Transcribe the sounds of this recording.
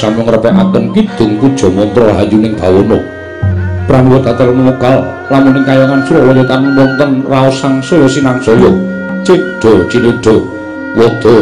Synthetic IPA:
samɔŋrəpɛʔakənkid̪̥ʊ̤ŋkud̥ʒ̥ɔ̤mɔnt̪ɾɔɦa̰junɪŋb̥a̤wɔnɔ | pɾaniwɔt̪̚at̪ɛlnŋɔɡ̥al | lamʊnɪŋkajaŋansuɾɔlɔjɔt̪anwɔnt̪ənraɔsaŋsɔjɔsinaŋsɔjɔ | t͡ʃeɖ̪̥ɔt͡ʃiliɖ̪̥ɔ | wɔd̪̥ɔ

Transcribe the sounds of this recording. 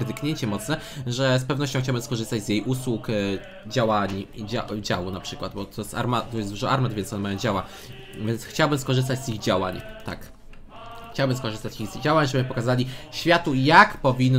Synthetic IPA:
d̪ɘkɲeɲt͡ɕɛmɔt̪snɛʐɛspɛvnɔɕ̬t͡ɕɔ̃xt͡ɕawbɘmskɔʐɘst̪ad͡ʑzjejʔuswuk | d͡ʑawaɲd͡ʑa̰d͡ʑa̰wunapʂɘkwad̪̚bɔt̪ʰɔst̪a̰ɾmat̪ɔjɛsd̪uʐɔaɾmad̪vʲɛnsɔnɛmajɔ̃d͡ʑawa | vʲjɛnsxt͡ɕawbɘmskɔʐɘst̪ad͡ʑziɣd͡ʑawa̰ɲt̪a̰k | xt͡ɕawbɘmskɔʐɘst̪at͡ɕiɣziɣd͡ʑawaɲʐɛbɘpɔkazalʲiɕfʲjat̪ujakpɔvʲinː

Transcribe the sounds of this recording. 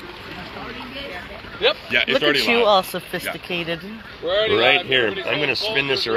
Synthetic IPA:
jɛjælʊkɨɔlˠsəfɪstɨkʰeɪɾɪd̥̚ | ɹaɪt̚ɦiɹãɪ̃mɡʌnɨspɪ̃nðɪsə˞

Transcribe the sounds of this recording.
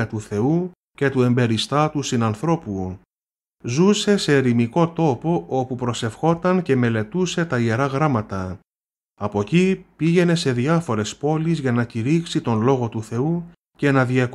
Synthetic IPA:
ɐt̪uθe̞u | ce̞t̪ue̞mbe̞ɾist̪ɐt̪usinɐnθɾo̞pu | zuse̞se̞ɾimiko̞t̪o̞po̞ʔo̞pupɾo̞se̞fxo̞t̪ɐnce̞me̞le̞t̪use̞t̪ɐie̞ɾɐɣɾɐmɐt̪ɐ | ɐpo̞cipiʝe̞ne̞se̞ðiɐfo̞ɾe̞spo̞lizʝɐnɐciɾiksit̪o̞nlo̞ɣo̞t̪uθe̞u | ce̞nɐðiɐk

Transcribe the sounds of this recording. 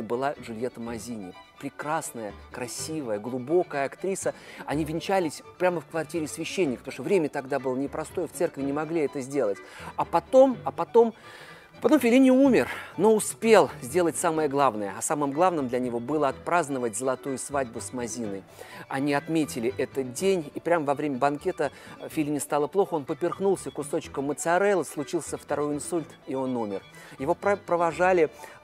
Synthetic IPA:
bɨlˠaʐʊlʲjet̪əmɐzʲinʲɪpɾʲɪkɾasnəjəkɾɐsʲivəjəɡlˠʊbo̞kəjəɐkt̪ɾʲisəɐnʲivʲɪnʲt͡ɕælʲɪsʲpɾʲaməfkvɐrtʲiɾʲɪsvʲɪɕːenʲːɪkəpt̪oʂt̪ovɾʲemʲət̪ɐɡd̪abɨlˠənʲɪpɾɐst̪o̞jəft̪sɛrkvʲɪnʲɪmɐɡlʲiɛt̪əzʲdʲe̞lˠətʲɐpɐt̪o̞mɐpɐt̪o̞m | ɐpɐt̪o̞mfʲɪlʲinʲɪumʲɪrno̞ʊspʲe̞lˠzʲdʲe̞lˠətʲsaməjəɡlˠavnəjəɐsamɨmɡlˠavnɨmd̪lʲɐnʲɪvo̞bɨlˠəɐt̪pɾaznəvətʲzəlˠɐt̪ujʊsvadʲbʊsmɐzʲinɨj | ɐnʲiɐt̪mʲetʲɪlʲɪʔɛt̪ət̚dʲenʲipɾʲamvɐvɾʲemʲəbɐnkʲe̞t̪əfʲilʲinʲɪst̪alˠəplˠo̞xəo̞npəpʲɪrxnulˠsʲəkʊso̞t͡ɕkəmːət̪sɨɐɾɛlˠəslˠʊt͡ɕilˠsʲəft̪ɐɾo̞jɪnsulʲt̪io̞numʲɪrjɪvo̞ppɾəvɐʐalʲɪ

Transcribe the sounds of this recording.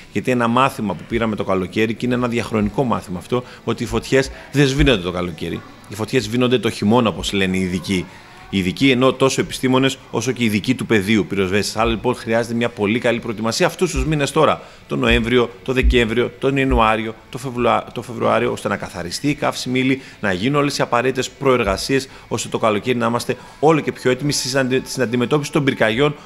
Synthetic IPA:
ʝɐt̪ie̞nɐmɐθimɐpupiɾɐme̞t̪o̞kɐlo̞ce̞ɾiceineenɐðjɐxɾo̞niko̞mɐ̰θimɐːft̪o̞ | ot̪iːfo̞t̪çe̞z | ðe̞zvino̞nd̪e̞t̪o̞kɐlo̞ce̞ɾḭ | ifo̞t̪çe̞zvinond̪e̞t̪oçimo̞nɐopo̞zle̞neiːðici | iːðicieno̞t̪o̞so̞e̞pi̥st̪imo̞ne̞so̞̰so̞ce̞iðicit̪upe̞ðiupiɾo̞zve̞si̥sɐlɐlipo̞nxɾiɐze̞t̪emɲɐpo̞likɐlipɾo̞et̪imɐsiɐːft̪ust̪uzmine̞st̪o̞ɾɐ | t̪o̞no̞e̞ɱvɾio̞t̪o̞ðe̞ce̞ɱvɾio̞t̪o̞ninuɐɾio̞t̪o̞ft̪o̞fe̞vɾuɐ̰ɾioo̞st̪e̞nɐkɐθɐ̰ɾist̪iːkɐfsimili | nɐʝinuno̞le̞siɐpɐɾe̞t̪it̪e̞spɾo̞e̞ɾɣɐsie̞s | o̞st̪e̞t̪o̞kɐlo̞ce̞ɾinɐimɐst̪e̞ | o̞lo̞ce̞pço̞e̞t̪imisinɐnd̪ime̞t̪o̞pisi̥t̪o̞mbiɾkɐʝo̞n

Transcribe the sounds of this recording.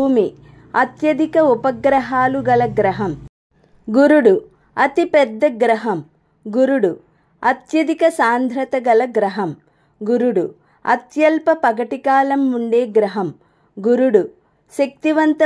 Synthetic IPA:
uːmi | ɐt̪jɐd̪ikɐupɐɡɾɐɦaːluɡɐlɐɡɾɐɦɐm | ɡuɾuɽu | ɐt̪ipɛd̪ːɐɡɾɐɦɐm | ɡuɾuɽu | ɐt̪jɐd̪ikɐsaːnd̪ʱɾɐt̪ɐɡɐlɐɡɾɐɦɐm | ɡuɾuɽu | ɐ̰t̪jɐlpɐpɐɡɐʈikaːlɐmːuɳɖeːɡɾɐɦɐm | ɡuɾuɽu | ʃɐk̚t̪iʋɐnt̪ɐ

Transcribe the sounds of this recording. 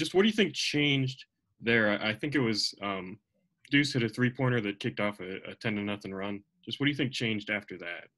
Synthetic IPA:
ʒ̥d͡ʒʌst̚wʌt̚d̥ɨjɨθɪ̃ŋk̚t͡ʃʰẽɪ̃nd͡ʒd | ðə˞aɪʔaɪθɪ̃ŋkɨt̚wʌzʌ̃m | d̥ʉtɨɾɨθɹipʰɔɹñə˞ðɨt̚kʰɪk̚tɔfɨɨ̰tʰɛ̃ndɨ̃nnʌθɪ̃ŋɹʌ̃nd̥ʒ̥ʌst̚wʌt̚d̥ɨjɨθɪ̃ŋk̚t͡ʃʰẽɪ̃nd͡ʒdæftə˞ðæt̚

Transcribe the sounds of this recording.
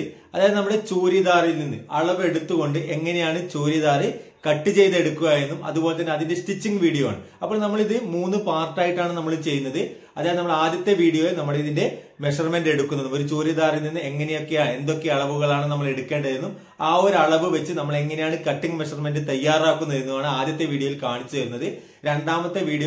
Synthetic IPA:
ɐðaːjɐðenɐmːɐɽet͡ɕuːɾjɐðaːrilninːɨ̰ʔɐɭɐʋe̞ɽut̪ːuɣo̞ɳɖɨʔe̞ŋːɐne̞jaːɳɨt͡ɕuːɾjɐðaːri | kɐʈːɨt͡ɕe̞jt̪ɐeɽukːuɣaːjɾunːumɐ̰ðubo̞ːlet̪ːɐnːeɐðinde̞sʈit͡ɕːiŋɡʋiːɽijoa̰ːɳɨ | ɐpːoɭnɐmːɐɭiðɨmuːnːɨpaːrʈːaːjiʈːaːɳɨnɐmːɐɭit͡ɕe̞jːunːɐðɨ | ɐðaːjnɐmːɐɭeaːd̪jɐt̪ːe̞ʋiːɽijo̞ːjenɐmːɐɭiðinde̞ | me̞ʂɐrme̞nde̞ɽukːunːɐnːumo̞ɾut͡ɕoːɾjɐðaːrininːɨe̞ŋːɐnejo̞kːe̞jaːɳe̞nd̪o̞kːe̞ɐɭɐʋuɣɐɭaːɳɨnɐmːɐɭe̞ɽukːe̞ːɳɖɐðiɾnːum | aːo̞ɾuɐɭɐʋɨʋet͡ɕːɨnɐmːɐɭeŋːɐnejaːɳɨkɐʈːiŋɡmeʂɐrme̞ndɨt̪ɐjːaːraːkːunːɐðiɾinːuʋaːɳɨaːd̪jɐt̪ːe̞ʋiːɽijoʋilkaːɳit͡ɕːuʋɐɾunːɐðɨ | ɾe̞ɳɖaːmɐt̪ːeʋiːɽijo

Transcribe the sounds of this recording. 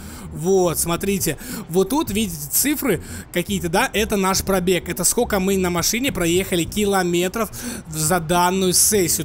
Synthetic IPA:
vot̪smɐt̪ɾʲitʲɪvɨt̪ːut̪vʲidʲɪtʲɪ̥t̪sɨfɾɨkɐkʲijət̪əd̪aʔɛt̪ənaʂpɾɐbʲe̞kɛt̪əskokəmɨnəmɐʂɨnʲɪpɾɐjexəlʲɪkʲɪlˠɐmʲe̞t̪ɾəfzɐd̪anːʊjʊsɛsʲːɪjʊ

